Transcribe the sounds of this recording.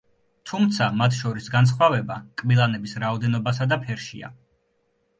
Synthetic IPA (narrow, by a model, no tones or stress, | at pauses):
t̪ʰumt̪sʰamat̪ʰʃɔɾisɡans̬χwavɛbakʼmilˠanɛbisɾaɔd̪ɛnɔbasad̪apʰɛɾʃḭa̰